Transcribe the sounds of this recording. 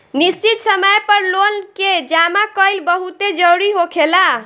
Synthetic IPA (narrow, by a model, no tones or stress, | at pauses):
nist͡ʃit̪səməjpəɾlonked͡ʒamakəjlbəɦut̪ed͡ʒəɾuɾiɦokʰela